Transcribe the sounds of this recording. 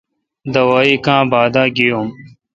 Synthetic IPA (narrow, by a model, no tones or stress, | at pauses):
d̪ɐwaːiːkãːbaːd̪ãːɡijoːm